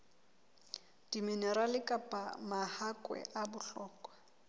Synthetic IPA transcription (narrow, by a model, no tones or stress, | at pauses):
d̥iminɛralɪkʼapʼamahakʼwɛ̰ʔabʊɬɔːkʼwa